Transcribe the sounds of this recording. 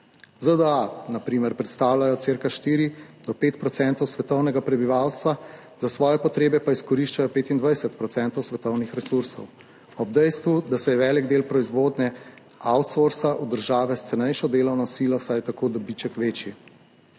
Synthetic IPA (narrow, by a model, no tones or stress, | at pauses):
zəd̪əanapɾiːmɛɾpɾɛt̪st̪aːwljajɔt̪seːɾkaʃt̪iːɾid̪̥ɔpeːt̪̚pɾɔt̪sɛnt̪ɔwsʋɛt̪ɔwnɛɡapɾɛbiʋawst̪ʋa | zasʋɔːjɛpɔt̪ɾeːbɛpaiskɔɾiʃt͡ʃajɔpeːt̪ind̪ʋajsɛt̪̚pɾɔtsɛnt̪ɔwsʋɛt̪ɔwnixɾɛsuɾsɔ̰w | ɔb̚d̪ɛjst̪ʋud̪asɛjɛʋɛːliɡd̪eːlpɾɔizʋoːd̪nɛ | awt̪soɾsaʔud̪əɾʒaːʋɛst̪sɛnɛjʃɔd̪eːlɔwnɔsiːlɔsajt̪akoːd̪ɔbit͡ʃɛkʋeːt͡ʃji